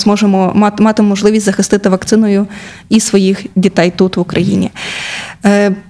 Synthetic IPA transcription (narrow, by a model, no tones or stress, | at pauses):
mɔʒemɔɑt̪mɑt̪ɪmɔʒlˠɪʋʲisʲzɐxɪst̪ɪt̪ɪʋɐk̚t̪sɪnɔjʊ | isʋɔjixdʲit̪ɛjt̪ut̪ʋʊkɾʔɐjḭnʲḭ